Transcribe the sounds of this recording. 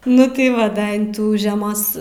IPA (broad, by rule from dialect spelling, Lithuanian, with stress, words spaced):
ˈnʊ tɐɪ ˈʋɐ ˈdɐ ɪn ˈtuː ʒʲɛˈmoːs